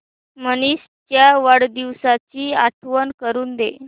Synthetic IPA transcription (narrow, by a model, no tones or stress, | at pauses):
mənis | t͡ɕjaʋaɽd̪iʋsat͡ɕiːat̪ʰʋənkəɾuːnd̪ḛ